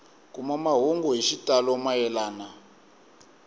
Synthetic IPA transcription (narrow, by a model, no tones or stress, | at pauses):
kʼumamaɦuŋɡɔɦiʃitʼalɔmajɛlaːna